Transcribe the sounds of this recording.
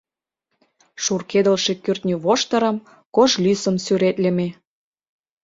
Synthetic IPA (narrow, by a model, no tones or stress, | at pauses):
ʃurked̪ə̆lʃĕkyrt̪nʲyβoʃt̪ə̆ɾə̆m | koʒlysə̆nsyɾet̪lʲĕme